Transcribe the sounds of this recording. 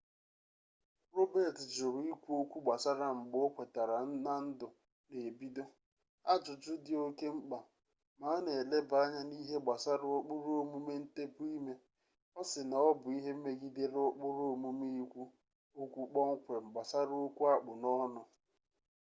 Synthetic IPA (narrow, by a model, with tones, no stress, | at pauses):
ɾo˦be˨td͡ʒʊ˨ɾi˦kʷu˦o˦kʷu˦ɡ͡ba˨sa˦ɾa˦ŋ͡m̩˨ɡ͡bo˦kʷe˨ta˨ɾa˨n̩˦na˦n̩˦dʊ˨ | ne˨bi˦do˦ | a˦d͡ʒʊ˨t͡ʃʊ˦dɪ˦o˦ke˦ŋ͡m̩˦k͡pa˨ | ma˨˦ne˨le˦ba˦ɲa˦ni˦ɦe˦ɡ͡ba˨sa˦ɾʊ˦o˦k͡pʊ˦ɾo˨mu˦me˦n̩˦te˦pʊ˦i˦me˦ | ɔ˦sɪ˨na˨ɔ˦bʊ˨i˦ɦe˦m̩˦me˦ɡi˦de˦ɾɔ˦k͡pʊ˦ɾo˨mu˦me˦i˦kʷu˦ | o˦kʷu˦k͡pɔ˦ŋ̩˦kʷe˨ŋ͡m̩˨ɡ͡ba˨sa˦ɾo˦kʷu˦a˦k͡pʊ˨nɔ˦nʊ˨